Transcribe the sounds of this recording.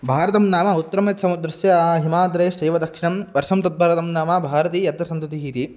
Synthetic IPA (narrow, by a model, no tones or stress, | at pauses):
bʱaːɾɐt̪ɐmnaːmɐut̪ːɐɾɐmet̪sɐmɐd̪ɾɐsjɐɦimaːd̪ɾeːʃɐːʋɐd̪ɐkʂiɳɐmʋɐɾʂɐmt̪ɐt̪̚bʱɐːɾɐt̪ɐmnaːmɐbʱaːɾɐt̪ijɐt̪ɾɐsɐnt̪ɐt̪iɦiːt̪i